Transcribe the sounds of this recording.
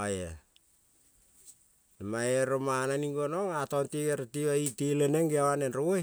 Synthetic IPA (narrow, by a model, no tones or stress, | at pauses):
aje | namajeɾomananiŋɡonoŋatontiɡeɾatiβaitileneŋɡiawanenɾooj